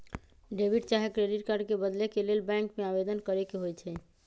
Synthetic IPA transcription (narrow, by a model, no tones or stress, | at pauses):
ɖebʱiʈt͡ʃaɦekɾeɖiʈkaɾɖkebəd̪lekelelbɛ̃ŋkmeabed̪ənkəɾekeɦojt͡ʃʰɛ